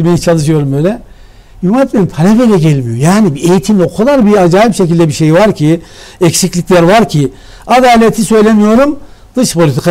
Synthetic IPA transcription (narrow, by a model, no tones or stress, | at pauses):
imejit͡ʃʰalˠɯʃ̬ɯjo̞ɾumbøjlʲɛ | umaɛt̪meimpʰaɾabelʲɛɟɛlʲmijo̞jaːnibiejit̪ʰimokʰulˠaɾbiad͡ʒaːjipʃecilʲd̪ɛbiʃe̞jvaɾcʰiɛcsiclʲicʲlʲæɾvaɾcʰi | ad̪aːlʲet̪ʰisø̞jlʲemijo̞ɾumd̪̥ɯʃpʰo̞lʲit̪ʰikʰa